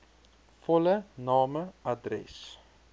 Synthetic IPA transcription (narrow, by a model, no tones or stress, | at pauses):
fɔlənɑːməɐdrɛ̰s